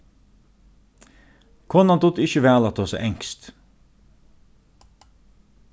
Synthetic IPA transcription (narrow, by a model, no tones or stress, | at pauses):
kʰɔnɑnd̪ʊt̪ɪçəʋæːlɑt̪ʰoːsɛ̰ʔɛŋst̪